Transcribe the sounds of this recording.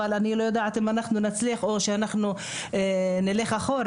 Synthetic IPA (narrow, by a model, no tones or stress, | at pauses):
alanilojod̪aʕat̪imanaχnunat͡sliaχo̞ʃeanaχnu | enileχaχoɾ